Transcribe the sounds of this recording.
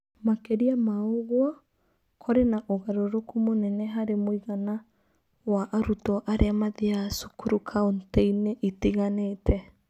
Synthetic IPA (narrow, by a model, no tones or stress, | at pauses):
makeɾiamaoɣwɔ | kʰɔɾenaʔoɣaɾoɾokumonɛnɛɦaɾemoiɣana | waʔaɾutɔʔaɾʔeamaðiasukuɾukʰaunteineʔitiɣanetʰɛ